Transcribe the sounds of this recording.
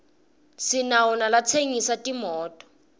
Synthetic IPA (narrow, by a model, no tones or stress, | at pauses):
sinaunalat͡sʰeŋisatʼimɔːtʼɔ̥